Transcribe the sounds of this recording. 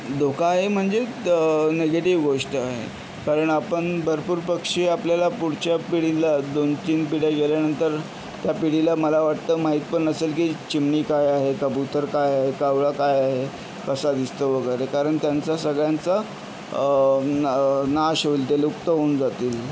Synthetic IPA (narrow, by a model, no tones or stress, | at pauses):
d̪ʱokʰaːɦem̤əɳd͡ze | neɡeʈiʋɡoʂʈəaɦḛ | kaɾəɳapəɳbʱəɾpuːɾpəkʂiːapljalapuɽt͡ɕjapiɽilad̪ont̪iːnpiɽjaɡeljanənt̪əɾ | t̪japiɽ̤ilaməlaʋaʈt̪əːmaɦiːt̪̚pəɳəselkiːt͡ɕimɳiːkajaɦekəbut̪əɾkajaɦekaʋɭakajaɦe | kəsad̪ist̪əʋəɡəjɾekaɾəɳt̪jant͡sasəɡɭjant͡sa | naɕoilt̪elukt̪əɦond͡zat̪iːl